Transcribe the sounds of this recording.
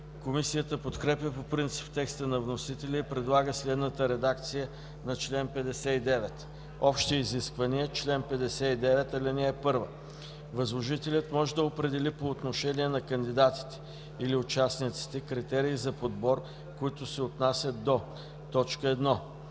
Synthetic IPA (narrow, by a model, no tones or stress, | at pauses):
komisijət̪əpot̪kɾɛpjəpopɾint̪si̥pt̪ɛkst̪ənɐvnosit̪ɛlʲɛipɾɛd̪lˠaɡəslɛd̪nət̪əɾɛd̪akt̪sijə | nɐt͡ʃlɛnpɛd̪ɛsɛid̪ɛvɛt̪ | ɔpʃt̪iːziskvɐniət͡ʃlɛnpɛd̪ɛsɛid̪ɛvɛt̪ɐlinɛɛpɤɾvə | vɐzlˠoʒit̪ɛlʲət̪mɔʒɛd̪ɐopɾɛd̪ɛlipoːt̪noʃɛniɛnɐkənd̪id̪at̪i̥t̪ɛ̥ | iliʊt͡ʃasnit̪si̥t̪ɛkɾit̪ɛɾiːzɐpod̪bɔɾ | koit̪ʊsɛot̪nasʲəd̪o | t̪ɔt͡ʃkəɛd̪nɔ